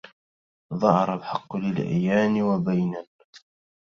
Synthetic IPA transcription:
ðˤɑhɑɾˤɑbħɑqːlɪlʔa̰jːaːnwabajnanma

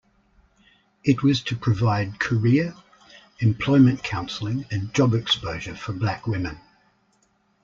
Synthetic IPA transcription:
ɪtwɒz̥tʰəpʰɹ̥əvaɪd̚kʰəɹɪə | ɪ̃mpʰl̥ɔɪmə̃nkʰãʊ̃nsl̩ˠɪ̃ŋə̃nd͡ʒɒbɪkspəʊʒəfəblækwɪmɪ̃n

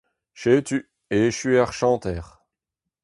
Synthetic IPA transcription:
ʃet̪y | eʃyɛʁʃɑ̃t̪ɛːʁ

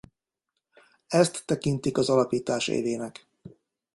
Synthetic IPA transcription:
ɛst̪ːɛkint̪ikɒzɒlɒpiːt̪aːʃḛːveːnɛk

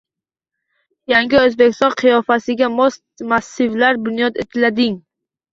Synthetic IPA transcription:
jaŋɡʲɪɵzbekʲʰɪst̪ɒɴqʰɨjɒfasɪɡʲamost̪masːɪvlaɾbʊnjɒt̪et̪ʰɪlad̪ɪŋ

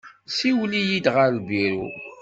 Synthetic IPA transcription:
siwlijid̪ʁəɾbiɾṵ

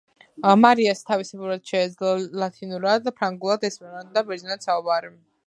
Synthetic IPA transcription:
maɾiast̪ʰavisɛbuɾad̪̥ʃɛːd̪zlalat̪ʰinuɾad̪apʰɾaŋɡulˠad̪ɛsmɛɾat̪d̪abɛɾd̪zinat̪saubaɾi

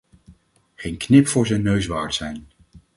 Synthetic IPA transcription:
χejnknɪpfʊːɹzɛjnːøɥsʋaːɹtsɛjn

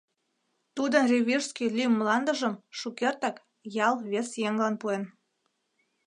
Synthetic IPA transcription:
t̪ud̪ənrʲeβʲirskilʲymːlɑnd̪əʒəmʃukert̪ɑk | jɑlβesjeŋlɑnpuen

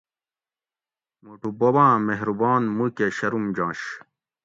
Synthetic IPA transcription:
muʈubobãːmeɦɾubɑːnmukeɕɐɾumd͡ʑãːɕ

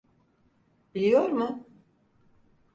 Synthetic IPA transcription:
bilʲijo̞ɾmʊ

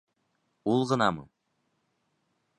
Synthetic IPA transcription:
ulˠʁɤ̆nɑmɤ̰

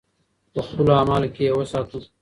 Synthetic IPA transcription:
t̪əxulaːmaːlkewɐsaːt̪u

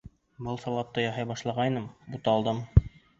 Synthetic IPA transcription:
bɤlˠsɑlˠɑp̚t̪ɤjɑɦɑjbɑʃlˠɑʁɑjnɤmbut̪ɑlˠd̪ɤm

